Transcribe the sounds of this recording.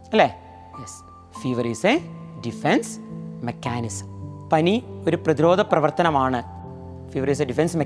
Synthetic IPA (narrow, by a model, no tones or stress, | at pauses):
ɐlːeː | jes | fiːʋɐriːseɖifensmekːaːnisɐ̥mpɐnioɾuprɐðiɾoːd̪ʱɐprɐʋɐrt̪ɐnɐmaːɳɨ | fiːʋɐɾiːs̬eɖifensme